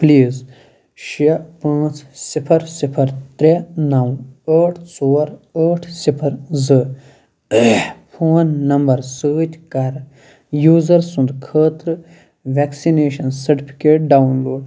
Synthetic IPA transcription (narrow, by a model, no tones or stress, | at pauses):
pliːz | ʃiɐpãːt͡ssipʰɐɾsipʰɐɾt̪ɾenɐwəːʈʰst͡soːɾəːʈʰsipʰɐɾzɨ | pʰoːnːɐmbɐɾsəːt̪ʲkɐɾ | juːzɐɾsũnd̪kʰəːt̪ɾɨ | ʋɛksineːʃɐnsɐɾʈipʰi̥keːʈ̚ɖawnloːɖ